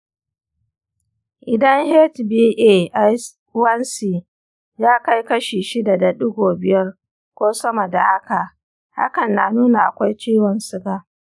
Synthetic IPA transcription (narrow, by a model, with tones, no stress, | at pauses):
ʔɪ˨dɐ˦ŋhɛ˦tbiː˦ʔeː˦ʔa˦ | wɐ˦nsi˨ | jaː˦ka˦jkɐ˦ʃiː˨ʃɪ˦da˨da˨ɗʊ˦ɡʷoː˨bɪ˨jɐ˦r | kʷoː˦sɐ˦mɐ˨da˨ha˦ka˨ʔ | ha̰˦kɐ˨nːa˨nuː˦na˨ʔa˨kʷa˦jt͡ʃiː˦wɔ˨nsɪ˦ɡaː˦